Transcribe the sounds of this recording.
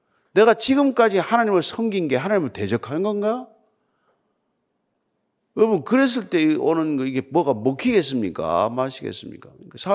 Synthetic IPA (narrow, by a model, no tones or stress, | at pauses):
ne̞ɣat͡ɕiɡɯmk͈ad͡ʑihanaɲimɯɭsʰʌŋɡinɡe̞ɦanaɲimɯɭte̞d͡ʑʌkʰannɡʌnɡa | ɯbɯnkɯɾe̞s̬͈ɯɭt͈e̞onɯnɡʌiɡe̞mwʌɡamokʰiɡe̞s̬͈ɯmɲik͈a̰maɕʰiɡe̞̰s͈ɯmɲḭk͈akasʰa